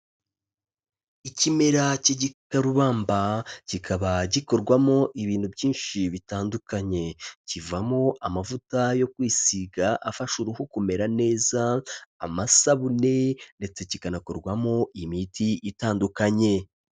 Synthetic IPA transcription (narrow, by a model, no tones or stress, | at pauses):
icime̞ɾaciɟikaɾuβaːmbacikʰaβaɟiko̞ɾɡwamo̞ʔiβiːn̥hubɟiːnʃiβitaːndukaɲe̞civamo̞ʔamavutajo̞kwiːsiɡaʔafaʃuɾuhukume̞ɾane̞ːzaːmasaβune̞nde̞t͡se̞cikanako̞ɾɡwamo̞ʔimitʰiʔitaːndukaɲe̞